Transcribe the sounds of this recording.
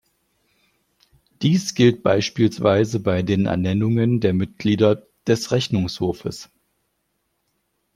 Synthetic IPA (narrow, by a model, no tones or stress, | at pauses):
d̥iːsɡ̥ɪlt̚b̥a̰ɪʃpiːlsv̥aɪzəbaɪdeːnɛ̰ɐnɛnʊŋəndeːɐmɪt̚ɡ̥liːdɐ | d̥ɛsʁɛçnʊŋshoːɐfəs